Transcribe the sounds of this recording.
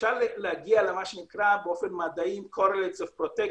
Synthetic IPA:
ʃalleaɡialemaʃenikɾabeofenmad̪aimkʰoɾelet͡sofpɾot̪e

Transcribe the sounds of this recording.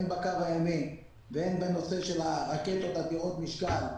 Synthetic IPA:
nbakavajamim | veenbeno̞seʃelaʁaket̪ot̪at̪iot̪miʃkal

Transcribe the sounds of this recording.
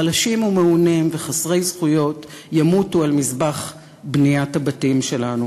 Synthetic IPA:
alaʃimumeunimveχasʁe̞jzχujo̞t | jamutualmizbaχ | bnijathabatimʃe̞lanu

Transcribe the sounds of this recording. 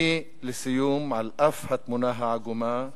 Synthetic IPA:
i | lɪsɪjuːmʕalʔafhat̪mʊnaɦaʕaɡumaː

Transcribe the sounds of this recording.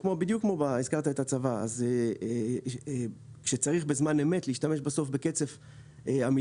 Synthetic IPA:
kmobid̪jukmobaizkaʁt̪aet̪at͡savaa̰ze | kʃet͡saʁiχbezmaneme̞tliʃtameʃbeso̞fbeke̞t͡se̞f | eami

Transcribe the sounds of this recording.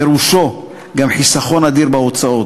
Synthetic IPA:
eɾuʃo | ɡamħisaχo̞nad̪iʁbeot͡sao̞

